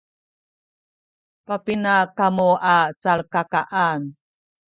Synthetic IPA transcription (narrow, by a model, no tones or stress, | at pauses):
papinakamuat͡saɭkakaʔan